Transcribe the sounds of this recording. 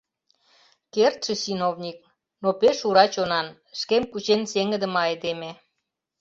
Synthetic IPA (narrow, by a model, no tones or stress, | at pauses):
kert̪ʃə̆sinovnʲik̚ | nopeʃuɾɑt͡ɕonɑn | ʃkemkut͡ɕenseŋə̆d̪ə̆mɑed̪eme